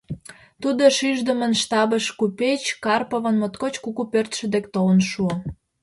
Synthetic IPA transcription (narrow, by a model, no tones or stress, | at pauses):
t̪ud̪oʃiʒd̪ə̆mə̆nʃt̪ɑbəʃkupet͡ɕkɑrpəβə̆nmot̪kot͡ɕkukupørt̪ʃə̆d̪ekt̪oənʃuo